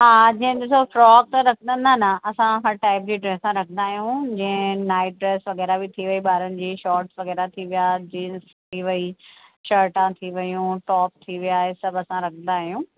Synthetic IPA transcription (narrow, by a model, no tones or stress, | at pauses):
ɦaːd͡ʑɐ̃ɦɪ̃ɗɪsofɾɔːk̚t̪ɐɾɐkʰənd̪ənd̪anaɐsãɦɐɾʈaːɪp̚d͡ʑiːɖɾɛːssãɾɐkʰə̃nd̪aːɦijũd͡ʑɐ̃ɦɪ̃naːɪʈ̚ɖɾɛːsʋɐɣɛːɾabɪt̪ʰiʋɐiɓaːɾənɪ̆d͡ʑiːʃɔːɾʈsʋɐɣɛːɾat̪ʰiʋijaːd͡ʑiːns | t̪ʰiʋɐiʃəːɾʈãt̪ʰiʋɐjũʈɔːp̚t̪ʰiʋijaːɦesɐbɐsãɾɐkʰə̃nd̪aːɦijũː